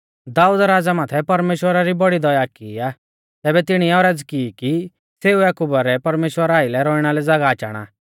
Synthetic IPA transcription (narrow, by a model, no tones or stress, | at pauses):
d̪aːuːd̪ɾaːd͡zamaːt̪ʰɛpɐɾmeːʃwəɾaɾibɔɽid̪ɔjaːkiːaː | t̪ɛːbɛt̪ɪɽ̃iɛɔɾɛd͡zkiki | seːuɛːkubaɾɛpɐɾmeːʃwəɾaːɪlɛɾɔːɪɽ̃alɛd͡zaɡaːt͡ʃa̰ːɽ̃a̰